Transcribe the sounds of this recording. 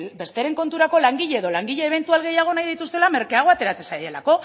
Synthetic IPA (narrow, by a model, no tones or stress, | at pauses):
be̞st̪eɾe̞ŋko̞nt̪uɾako̞laŋɡiʎeeð̞o̞laŋɡiʎe̞ːβ̞e̞nt̪ualɣ̞e̞jaɣ̞o̞najðit̪ust̪e̞lame̞ɾkeaɣ̞o̞at̪e̞ɾat͡se̞saje̞la̰ko̞